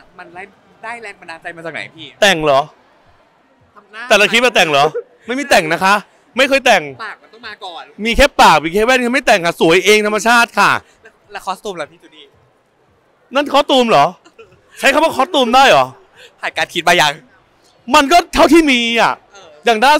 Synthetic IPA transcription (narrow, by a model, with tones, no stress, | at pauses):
ma˧na˥˩ | daː˥˩jlɛ˦˥˩ma˧ndaː˧˩t͡ɕa˧jma˧t͡ɕa˨˩na̰˨˦jpʰiː˥˩t̪ɛ˨˩ŋlɔː˨˩˦ | t̪ɛː˨˩la˧kʰi˦˥t̪̚a˧˩t̪ɛ˨˩ŋlɔː˨˦ | ma˥˩jmi˥˩t̪ɛ˨˩ŋna˦˥kʰa˦˥ʔ | ma˥˩jkʰɤː˧jt̪ɛ˨˩ŋaː˨˩k̚a˧nt̪ɔ˥˩maː˧kɔː˨˩nmiː˧kʰeː˦˥pːaː˨˩k̚miː˧kʰeː˦˥wɛː˥˩nʰa˧˥˩ma˥˩jt̪ɛ˨˩ŋkʰa˥˩su˨˩˦jʔeː˧ŋt̪ʰma˧t͡ɕʰaː˥˩t̪̚kʰa˥˩˦ | lkʰɔ˦˥t̪uː˧mla˧˩iː˥˩tu˧˩niː˧˩ | na˥˩nkʰɔː˦˥t̪uː˧mlɔː˨˦ | t͡ɕʰa˦˥kʰa˧mwaː˥˩kʰɔ˦˥t̪uː˧mdaː˥˩jlɔː˨˩˦ | pʰaː˨˩kaː˧˩nkʰi˦t̪̚maː˧ja˨˩ŋ | ma˧nk̬ɔː˥˩t̪ʰa˥˩wt̪ʰiː˥˩miː˧a̰˨˩ʔ | jaː˨˩ŋdaː˥˩